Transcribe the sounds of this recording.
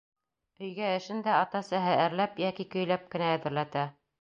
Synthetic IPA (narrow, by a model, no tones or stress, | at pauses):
ɵ̆jɡæɘ̆ʃɘnd̪æɑt̪ɑsæɦɘæɾlæpjækikɵ̆jlæp̚kɘ̆næːðɘ̆ɾlæt̪æ